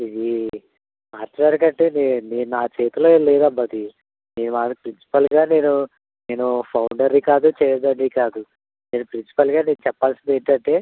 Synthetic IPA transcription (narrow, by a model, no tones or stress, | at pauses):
id̪i | maːʈːlaːɾikɐɳʈeːneneːnunaːt͡ʃe̞ːt̪uloːelɛːd̪ɐmbɐt̪i | neːnumaːpɾinsi̥pɐlɡaːne̞ːnu | ne̞ːnupʰɐwɳɖɐɾikaːd̪ut͡ʃɛːjɐd̪ɐɳɖikaːd̪u | ne̞ːnupɾinsi̥pɐlɡaːne̞ːnut͡ʃɛpːaːlsind̪eːɳʈɐɳʈe̞ː